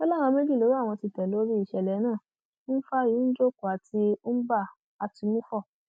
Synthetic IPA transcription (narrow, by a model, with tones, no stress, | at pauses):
ɔ˦lã˦˨ɔ̃˧mẽ˦d͡ʒi˦˨lo˨˦ɾi˦a˦˨w̃ɔ̃˧ti˧tɛ˨lo˨˦ɾi˦i˦˨ʃɛ˧˨lɛ˨˦nãː˦˨˦ | n̩˦fa˦ji˨˦n̩˦d͡ʒo˦ku˨a˨ti˧˦n̩˦ba˦˨ | a˧ti˧mũ˦fɔ˦˨